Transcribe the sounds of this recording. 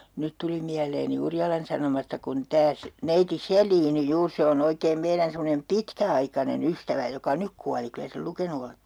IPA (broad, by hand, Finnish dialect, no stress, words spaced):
nyt tuli miæleːni urjɑlɑn sɑnomɑstɑ kun tæː se neiti selˑiːni juːr se on oikeːm meiræn semːonem pitkæɑikɑnen ystæʋæ jokɑ nyk kuɑli kylæ sel lukenu oletːe